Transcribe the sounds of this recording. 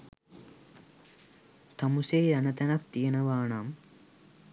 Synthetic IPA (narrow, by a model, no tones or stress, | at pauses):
t̪ʰɐmuseːɾɐnɐt̪ɐnɐk̚t̪ijɐnɐʋaːɳaːm